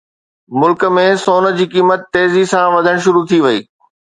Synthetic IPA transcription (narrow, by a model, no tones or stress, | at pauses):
mʊlkə̆mẽsoːnə̆d͡ʑiːkiːmət̪ːeːzisãʋɐd̪ʱəɽ̃ʃ̬ʊɾut̪ʰiʋɐiː